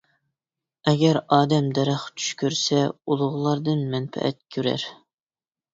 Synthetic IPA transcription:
ɛɡʲɛɾɑːd̪ɛmd̪ɛɾæχt͡ʃ̪ʰy̥ʃkʲʰøɾsɛulˠʊʁlˠɑɾd̪ɨnmɛnfɛ̰ʔɛ̰t̪̚kʲʰøɾæ̰ɾ

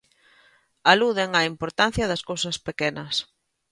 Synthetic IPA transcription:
aluðeŋɐimpoɾt̪an̟θjɐðɐskowsɐspekɛnɐs

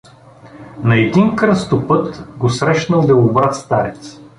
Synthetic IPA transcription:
nɐɛd̪inkɾəst̪opɤt̪ɡosɾɛʃnəlˠd̪ɐʊbɾat̪st̪aɾɛt̪s

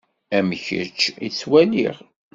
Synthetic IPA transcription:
æməçə̰t͡ʃːit͡sːwæliʁ

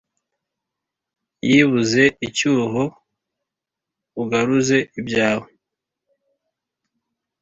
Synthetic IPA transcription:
jiβuze̞icuːɦo̞ | uɡaɾuze̞ibjaːwe

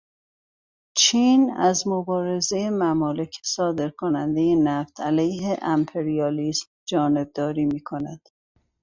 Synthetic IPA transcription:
t͡ʃʰiːnæzmobɒːɾe̞ze̞jemæmɒːle̞cʰe̥sɒːd̪e̞ɾkʰonænd̪e̞jenæft̪ʰælæjɦeʔæmpʰe̞ɾijɒːliːsm | d͡ʒɒːne̞b̚d̪ɒːɾiːmiːkʰo̞næd̪̥

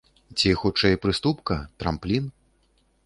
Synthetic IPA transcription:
t͡sʲixut͡ʂɛjpɾɨst̪upkɐt̪ɾa̰mplʲin

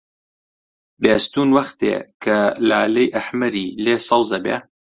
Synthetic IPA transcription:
beːst̪uːnwɐxt̪ḛːkʰɐlaʕlɐjʔɐħmɐɾiːleːsɑwzɐbḛː

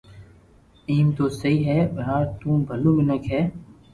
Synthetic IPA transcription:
iːmt̪oːsəɦiːɦɛːʋɐɦãːt̪ũːbʱəlũːmɪnəkɦɛː

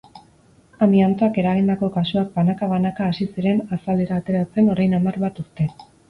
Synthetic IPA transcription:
amiant͡s̪oake̞ɾaɣ̞ind̪ako̞kasuak̚banakaβanakaːsisiɾe̞nasald̪eɾaːt̪e̞ɾat͡se̞no̞ɾajnamarβat̪uɾt̪e̞

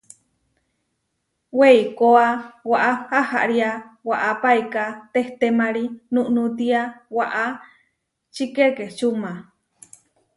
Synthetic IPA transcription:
weikoawaʔahaha̰ʔɾiawaʔapaikat̪eht̪emaɾinuʔnut̪iawaʔa | t͡ʃikeket͡ʃuma

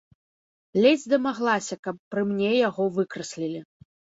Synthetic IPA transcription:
lʲɛd͡zʲd̪ɐmaɣlˠasʲɐkɐpːɾɨmnʲejaɣɔvɨkɾɐsʲlʲilʲi

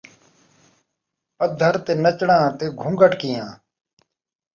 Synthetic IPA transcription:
pəd̪ʱəɾt̪eːnət͡ʃɳãːt̪eːɡʱũːŋɡəʈkiːjãː

